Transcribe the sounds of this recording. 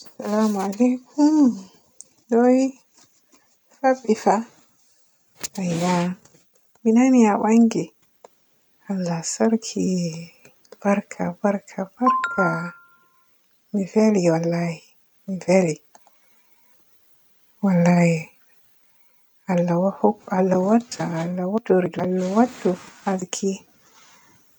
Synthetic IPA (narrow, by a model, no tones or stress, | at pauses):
asalamalekʰum | doi | fabifa | ajna | minaniabaŋɡi | alːasaɾkʰi | b̥aɾkʰabaɾkʰab̥aɾkʰa | miveliwalːahi | miveli | walːahi | alːawaalːawadaːlːawadoɾidalːawaduazkʰi